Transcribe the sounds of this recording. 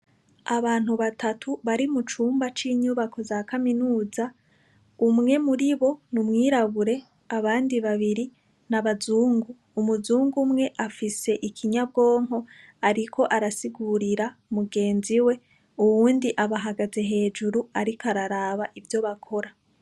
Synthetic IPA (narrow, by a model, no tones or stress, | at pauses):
aβaːn̥huβatʰatʰuβaɾimut͡ʃuːmbat͡ʃiːɲuβako̞zaːkaminuːza | umŋe̞muɾiβo̞numŋiːɾaβuɾe̞ | aβaːndiβaβiɾi | naβazuːŋɡuːmuzuːŋɡumŋe̞ʔafise̞ʔikʰiɲab̚ɡo̞ːŋɦo̞ | aɾikʰo̞ʔaɾasiɡuɾiɾamuɡe̞ːnziwe̞ | uβuːndiʔaβaɦaɡaze̞ɦe̞ːd͡ʒuɾuaɾikaɾaɾaːβaʔivjo̞βakʰo̞ɾa